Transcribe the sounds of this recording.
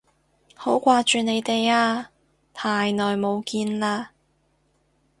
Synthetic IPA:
ho˨˥wkʷaː˧t͡ʃyː˨ne˨˧jt̪e˨jaː˧ | pʰaː˨jnɔː˨jmo˨˧wkiː˧nlaː˧

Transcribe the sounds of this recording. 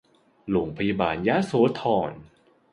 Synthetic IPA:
lo˨˩ŋpʰa˧ja˧ba̰ː˨˩nja˦˥soː˨˩˦t̪ʰɔː˧˩n

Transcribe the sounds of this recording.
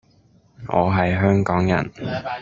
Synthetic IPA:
ŋʔɔ̰ː˨˧ɦɐ˨jɦœː˥ŋkɔː˨˥ŋjɐ̰˨˩n

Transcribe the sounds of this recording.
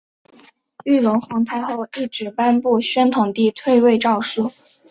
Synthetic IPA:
y˥˩lə˧˥ŋxwɑ˧˥ŋt̪ʰa˥˧ɪxo˥˧ʊi˥˩ʈ͡ʂɻ̩˨˥pa˥npu˥˩ɕɥɛ˥nt̪ʰʊ˨˩ŋt̪i˥˧t̪ʰwe˥˧ɪwe˥˧ɪʈ͡ʂɑ˥˧ʊʂu˥˩

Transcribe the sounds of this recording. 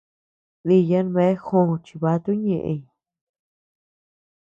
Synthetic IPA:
ði˧jã˧˦nβe˧˦xõ˦˧˨t͡ʃi˧βa˧t̪u˦ɲẽ˧˨ʔḛ̃˧ɲ˨

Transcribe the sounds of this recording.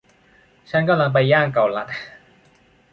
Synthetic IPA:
t͡ɕʰa˦˥nka˧˩mla˧ŋp̬a˧jːaː˥˩ŋka˨˩wla˨˩t̪̚

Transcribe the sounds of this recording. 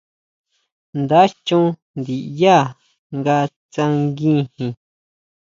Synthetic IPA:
nd̪a˦t͡ʃũ˦ | nd̪i˨ja˦˨ | ŋɡa˧ | t͡sã˧ŋɡĩ˦hĩ˧

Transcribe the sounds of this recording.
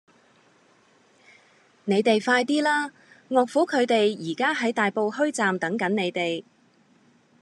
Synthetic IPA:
ne˨˧jt̪e˨jfaː˧jt̪̬iː˥laː˥ | ŋɔː˨k̚fuː˨˥kʰɵ˨˧ɥt̪e˨jjiː˨˩kaː˥ɦɐ˨˥jt̪aː˨jpo˨˧whɵ˥ɥt͡saː˨mt̪ɐ˨˥ŋkɐ˨˥nne˨˧jt̪e˨j

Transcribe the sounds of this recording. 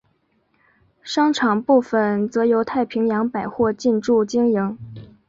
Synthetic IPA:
ʂɑ˥ŋʈ͡ʂʰɑ˨˩ŋpu˥˩fə˩nt͡sɤ˧˥jo˧˥ʊt̪ʰa˥˩ɪpʰi˧˥ŋjɑ˧˥ŋpa˨˩ɪxwɔ˥˧t͡ɕi˥˧nʈ͡ʂu˥˩t͡ɕi˥ŋji˧˥ŋ

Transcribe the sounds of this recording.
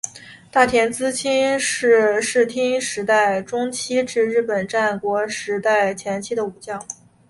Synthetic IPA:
t̪a˥˩t̪ʰjɛ˧˥nt͡sɹ̩˥t͡ɕʰi˥nʂɻ̩˥˧ʂɻ̩˥˩t̪ʰi˥ŋʂɻ̩˧˥t̪a˥˩ɪʈ͡ʂʊ˥ŋt͡ɕʰi˥ʈ͡ʂɻ̩˥˧ɻɻ̩˥˩pə˨˩nʈ͡ʂa˥˩nkwɔ˧˥ʂɻ̩˧˥t̪a˥˩ɪt͡ɕʰjɛ˧˥nt͡ɕʰi˥d̪ə˧u˨˩t͡ɕjɑ˥˩ŋ

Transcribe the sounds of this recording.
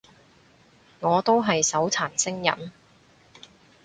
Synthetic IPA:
ŋɔː˨˧t̪o˥wɦɐ˨jsɐ˨˥wt͡sʰaː˨˩nsɪ˥ŋjɐ̰˨m

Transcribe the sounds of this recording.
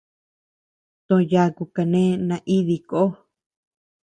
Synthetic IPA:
t̪õ˧˨˧ja˧˦ku˧ka˧nẽ˦nã˧ʔi˦ði˧ko˦

